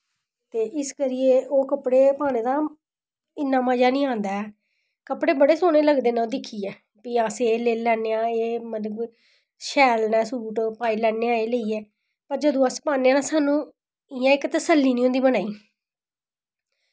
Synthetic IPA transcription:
t̪eːʔɪskəɾɪjeːʔoːkəpɽeːpaːneːd̪aː | ɪnːãːmaːd͡ʒaːnĩːãːnd̪aːɛ | kəpɽeːbəɽeːsoːñeːləɡd̪eːnãod̪ɪkʰːiːɛː | piːaːseːleːlɛːneːãːeːmət̪ləb | ʃɛːlnɛ̃ːsuːʈpaːiːlɛːneːãːeːləiːɛː | pəɾd͡ʒəd̪õːəspaːneːaːnãːsaːnũː | ɪjãːɪkt̪əsəlːiːnĩːʊ̃nd̪iːbənaːiː

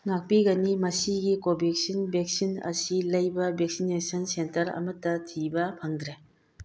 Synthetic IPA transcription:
ŋak̚piɡɐnimɐsiɡikobʱik̚sinbʱek̚sinɐ̰silɐjbɐbek̚sinesɐnsentɐɾɐ̰mɐtːɐtʰibɐpʰɐŋdɾe

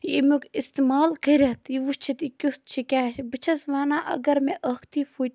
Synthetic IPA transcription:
jimukist̪imaːlkɐɾʲɐt̪jiʋust͡ʃʰit̪ikʲust̪̚t͡ʃʰikʲaːʃbɨt͡ʃʰɐsʋaːnaːʔɐ̰ɡɐɾmeʔɐkʰt̪ifut̪

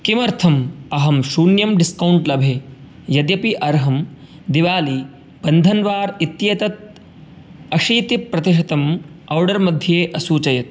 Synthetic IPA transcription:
kimɐɾt̪ʰɐmɐɦɐmʃuːnjɐmɖiskɐwɳʈlɐbʱeː | jɐd̪jɐpiʔɐɾɦɐm | d̪iʋaːli | b̥ɐnd̪ʱɐnʋaːɾit̪ːjɐt̪ɐt̪̚ | ɐʂiːt̪ipɾɐt̪iʃ̬ɐt̪ɐmɐwɖɐɾmɐd̪ʱjɐeːʔɐsuːt͡ʃɐjɐt̪̚

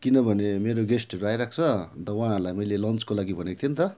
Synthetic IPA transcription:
kinʌbʱʌnemeɾoɡesʈʌɾoajɾak̚ʰt͡sʰʌd̪ʌwãaɾlajmʌjlelʌnt͡skolaɡibʱʌnekt̪ʰjent̪ʌ

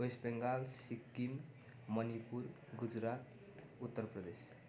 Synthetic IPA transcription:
ojsbeŋɡalsikːim | mʌnipuɾ | ɡud͡zɾat̪ | ut̪ːəɾpɾʌd̪es

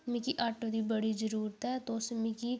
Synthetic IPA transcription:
mikiːʔaːʈːoːd̪iːbəɽiːzəɾuːɾət̪ɛːt̪oːsmĩkiː

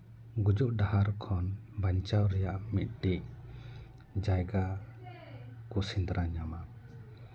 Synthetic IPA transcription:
ɡud͡ʒuʔɖahaɾkʰɔnbaɲt͡ʃawɾɛjaʔmit̪̚ɖik̚ | d͡ʒajɡa | kusind̪ɾʔaɲama

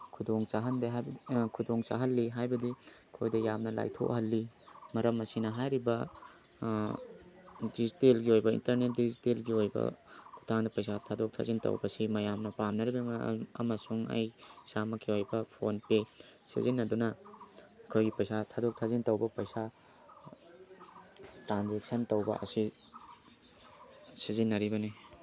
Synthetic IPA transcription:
kʰudoŋt͡ʃaɦɐndeɦakʰudoŋt͡ʃa̰ɦɐlːiɦajbɐdi | kʰojdɐjamnɐla̰jtʰo̰khɐlːimɐɾɐmɐsinɐɦajɾibɐ | distelɡiojbɐḭntɐɾnet̚distelɡiojbɐ̰ku̥tʰaŋdɐpɐjsatʰadok̚tʰa̰zintɐ̰wbɐsimɐjamnɐpamnɐɾibiŋɐɐ̰mɐsuŋɐ̰jsamɐkʰiojbɐpʰonpesḭzinːɐdunɐ | kʰojɡipɐjsatʰadok̚tʰazintɐwbɐpɐjsa | tɾanzeksɐntɐwbɐ̰ɐ̰si | sizinːɐɾibɐni

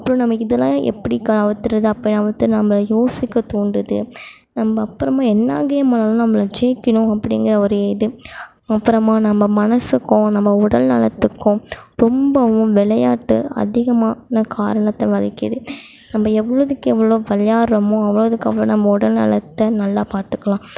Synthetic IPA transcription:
ɐpːɐɾõnɐmːɐɪðɐlːãːʔɛ̰pːɐɽikɐʋɐt̪ːɯɾɐðɯɐpːɐɽnɐʋɐt̪ːɯnɐmɐlɐjoːsɪkːɐt̪uːɳɖɯðɯ̰ | nɐmbɐːpːɯɾɐmaːɛnːaːɡɐjɐmɐːlɐlãːnɐmːɐlɐd͡ʒeːkːɪnʊ̃ɐpːɐɽɪŋɡɪɾɐɔɾɯɐɪðɯ | ɐpːɯɾɐmaːnɐmːɐmɐnɐsɯkːʊ̃nɐmːɐʊɽɐlnɐ̰lɐt̪ːɯkːʊ̃ɾɔmbɐʋʊ̃ʋɪɭɐjaːʈːɯ̰ɐ̰ðɪɣɐmaːnɐkaːɾɐɳɐt̪ːɐʋɐlɪkːɪðɯ | nɐmːɐɛʋːɐɭɐðɯkːɯɛʋːɐɭoːʋɛljaːɾɐmõɐʋːɐɭɐðɯkːɐʋːɐɭo̰ːnɐmːɐʊɽɐlnɐ̰lɐt̪ːɐnɐlːaːpaːɾt̪ɯ̥kːɐlãː

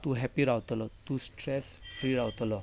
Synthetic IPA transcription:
t̪ũɦɛpiɾawt̪lɔt̪ũsʈɾɛsfɾiɾawt̪lɔ

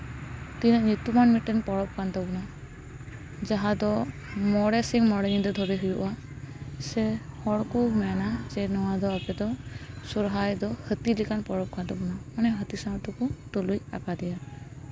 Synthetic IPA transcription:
t̪inəʔɲut̪umanmiʈːɛnpɔɽɔp̚kant̪ɔbɔna | d͡ʒaɦad̪ɔ | mɔɽɛsiŋmɔɽɛɲid̪ɔd̪ʱɔɾɛɦujuʔa | sɛhɔɽkɔmɛnad͡ʒɛnɔwad̪ɔapɛd̪ɔ | sɔɾɦajd̪ɔhət̪ilikanpɔɽɔp̚kant̪ɔbɔnamanɛɦət̪isat̪ɔkutuluja̰kad̪ɛja

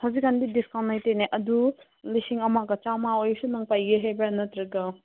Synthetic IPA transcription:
hazikːandidiskawnːajteneʔɐdu | lisiŋɐmaɡɐt͡ʃamaojsunɐŋpajɡeɦajbaanɐtɾɯɡɐ

